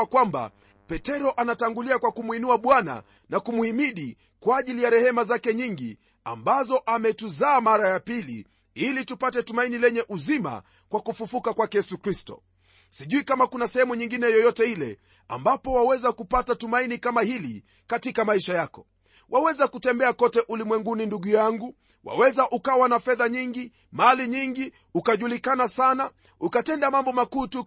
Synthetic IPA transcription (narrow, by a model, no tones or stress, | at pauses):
kwamba̰ | pɛtɛɾɔʔanataŋɡuliakwakumwinuaɓwana̰ | nakumuimiɗi | kwaːʄilijaɾɛhɛmazakɛɲiŋɡi | a̰mbazɔʔamɛtuzaːmaɾajapili | ilitupatɛtumainilɛɲɛʔuzima̰ | kwakufufukakwakɛjɛsukɾistɔ̰ | siʄuikamakunasɛhɛmuɲiŋɡinɛjɔjɔtɛilɛ̰ | a̰mbapɔwawɛzakupatatumainikamahili | katikamaiʃajakɔ̥ | wʔawɛzakutɛmbɛakɔtɛʔulimwɛŋɡuninduɠujaŋɡu | wʔa̰wɛzaʔukawanafɛðaɲiŋɡi | maliɲiŋɡi | ukaʄulikanasana | ukatɛndamambɔmakuːtu